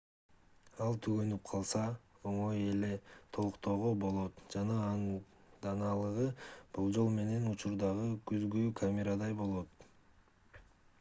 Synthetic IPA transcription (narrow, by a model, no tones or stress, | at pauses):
ɑlˠt̪ʰyɡø̞nyp̚qʰɑlˠsɑo̞ɴo̞je̞le̞t̪ʰo̞lˠuqt̪oːʁobo̞lˠo̞t̪d͡ʒɑnɑ | d̪ɑnɑlˠɯʁɯb̥ulˠd͡ʒo̞lˠme̞ne̞nut͡ʃuɾd̪ɑʁɯkyzɡykʰamʲeɾad̪ɑjbo̞lˠo̞t̪